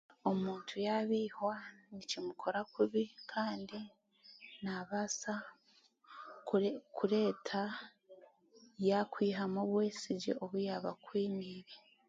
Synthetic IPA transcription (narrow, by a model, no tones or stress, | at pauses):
o̞muːntʰujaβiːhwanicimukʰo̞ɾakuβikʰaːndi | naβasa | kʰuɾe̞ːtʰa | jakwiːɦamoβwe̞ːsiɟḛʔoβujaβa̰kwiːniːβi